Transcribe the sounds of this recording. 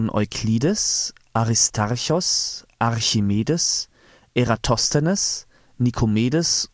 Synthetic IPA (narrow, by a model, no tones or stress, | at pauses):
nʔɔ̰ʏkʰliːd̪əs | ʔaʁɪst̪ʰaʁçɔsʔaʁçɪmeːdəs | eʁat̪ʰɔst̪ənəs | nɪkʰʊmeːd̪əs